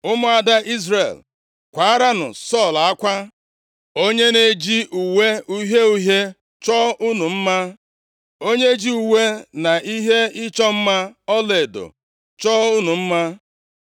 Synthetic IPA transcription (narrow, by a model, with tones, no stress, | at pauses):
ʊ˦mʊ˦a˨da˦ʔi˦zre˨l | kʷa˨˦a˦ɾa˦nʊ̰˨sɔ˦˨la˦kʷa˦ | o˦ɲe˦ne˨d͡ʒi˦ʔu˨we˦u˦ɦe˦u˦ɦe˦ | t͡ʃɔ˦u˦nu˨m̩˦ma˦ | o˦ɲe˦d͡ʒi˦u˨we˦na˨ʔi˦ɦe˦ɪ˦t͡ʃɔ˦m̩˦ma˦ɔ˦le˨do̰˨ | t͡ʃɔ˦u˦nu˨m̩˦ma˦